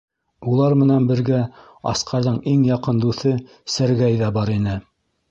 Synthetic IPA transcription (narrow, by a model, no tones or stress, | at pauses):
ulˠɑɾmɘ̆nænbɘ̆ɾɡæ | ɑ̰sqʰɑɾðɤɴiŋjɑqɤnd̪uθɘ | sæɾɡæjðæbɑɾinɘ